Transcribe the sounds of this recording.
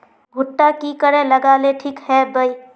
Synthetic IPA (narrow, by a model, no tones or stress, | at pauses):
ɡʱʊʈːakikəɾẽləɡaleʈʰiːkɦɛbəi